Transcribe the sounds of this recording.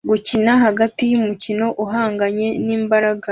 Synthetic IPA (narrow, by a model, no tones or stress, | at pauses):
ɡucinaɦaɡatijumucino̞ʔuɦaːŋɡaɲe̞niːmbaɾaɡa